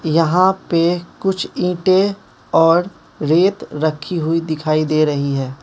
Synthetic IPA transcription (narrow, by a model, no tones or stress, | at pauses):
jɐɦãpekʊt͡ʃʰĩːʈe | ɔːɾ | ɾeːt̪ɾɐkʰːiɦʊid̪ɪkʰaːid̪eːɾɐɦiɦɛː